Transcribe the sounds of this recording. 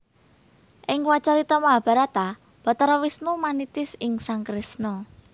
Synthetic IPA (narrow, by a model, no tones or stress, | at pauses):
ʔɪŋwat͡ʃaɾit̪ɔmaɦb̥a̤ɾat̪a | b̥ɔ̤t̪əɾɔwisnumanit̪ɪsɪŋsaŋkɾɪsnɔ